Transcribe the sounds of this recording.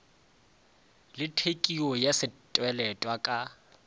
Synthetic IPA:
lɪtʰekʼiɔjasɪtʼwɛlɛtʼwakʼa

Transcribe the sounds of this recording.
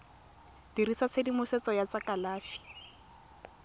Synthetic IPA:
d̥iɾisat͡sʰedimʊset͡sɔjat͡sakalaːfi̥

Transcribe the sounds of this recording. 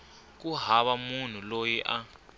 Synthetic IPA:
k̬uɦaβamun̤ulojiʔa

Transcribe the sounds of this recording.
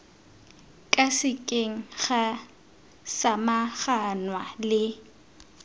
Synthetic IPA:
kʼasɪkʼeŋ̩χa | samaχanwalɪ

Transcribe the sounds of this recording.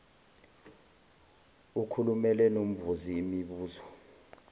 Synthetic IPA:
ukʰulumɛlɛnom̩vuziːmiɓuːzɔ

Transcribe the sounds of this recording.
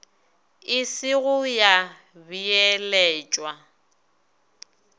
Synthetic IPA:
ɪsɪɣʊja | biɛlɛːt͡ʃʼwa

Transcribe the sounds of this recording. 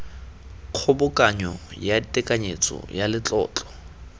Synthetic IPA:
q͡χʰʊbʊkʼaɲɔjatʼɛkʼaɲet͡sʼɔ̰jalɪt͡ɬʼɔ̰ːt͡ɬʼɔ̥

